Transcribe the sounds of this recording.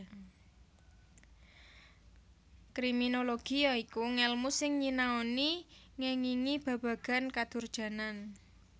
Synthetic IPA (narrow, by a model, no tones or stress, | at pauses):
kɾiminoloɡ̥ijɔikuŋɛlmusɪŋɲinaoni | ŋɛŋiŋib̥ä̤b̥ä̤ɡ̥a̤nkad̪̥ʊ̤rd̥ʒ̥ä̤nan